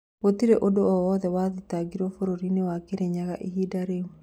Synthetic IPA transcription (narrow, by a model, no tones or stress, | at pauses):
otiɾeʔodoɔwɔðɛwaðitaɡiɾɔfoɾoɾinewakeɾeɲaɣa̰ʔihidaɾemu